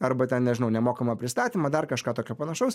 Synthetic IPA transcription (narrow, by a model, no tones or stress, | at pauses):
ɐrbɐt̪ʲɛnnʲɛʒʲɪnɐʊnʲɛmoːkɐmɐpʲɾʲɪst̪ɑːt̪ʲiːmɐd̪ɐrkɐʃkɑːt̪oːkʲopɐnɐʃɐʊs